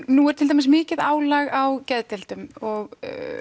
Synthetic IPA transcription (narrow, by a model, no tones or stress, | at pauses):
nuɛɾ̥t̪ʰɪlt̪̬ʰamɪsmɪːcɪðaːwlaɣawcɛðt̪ɛl̥t̪ʏmɔɣ̰